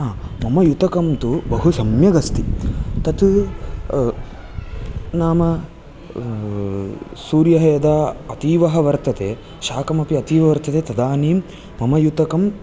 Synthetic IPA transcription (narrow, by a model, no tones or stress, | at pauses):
aːmɐmɐjut̪ɐkɐmt̪ubɐɦusɐmjɐɡɐst̪it̪ɐt̪u | naːmɐ | suːɾjɐɦɐjɐd̪aːɐt̪iːʋɐɦɐ̆ʋɐɾt̪ɐt̪eː | ʃaːkɐmɐpiɐt̪iːʋɐʋɐɾt̪ɐt̪eːt̪ɐd̪aːniːmː | ɐmɐjut̪ɐkɐm